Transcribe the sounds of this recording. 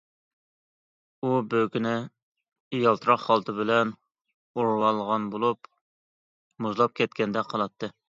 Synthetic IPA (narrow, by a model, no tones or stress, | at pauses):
ubøkʲinɪ | ijɑlˠt̪ʰɾɑqχɑlˠt̪ʰɨbɪlɛn | oɾwɑlˠʁɑnbolˠup | muzlˠɑp̚kʲʰɛt̪kʲɛnd̪ɛqʰəlˠɑt̪ʰːɨ